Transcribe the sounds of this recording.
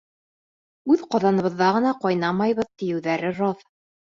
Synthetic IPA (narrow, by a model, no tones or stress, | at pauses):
ʉðqɑðɑnɤ̆βɤ̆ðːɑʁɤ̆nɑqɒjnɑmɑjβɤ̆ðt̪ɘ̆jɘ̆wðæɾɘɾɑð